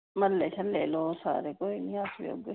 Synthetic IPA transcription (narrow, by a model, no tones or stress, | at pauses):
mɐɾlet͡ʃʰɐnleːlosa̰ːɾekoːinĩaːsjo̰ːɡ